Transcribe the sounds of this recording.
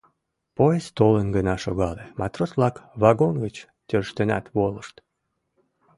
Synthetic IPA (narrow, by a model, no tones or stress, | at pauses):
pojest̪olənɡənɑʃoɣɑlemɑt̪rosβlɑkβɑɣonɣət͡ɕ | t̪ʲørʃt̪enɑ̰t̪βoləʃt̪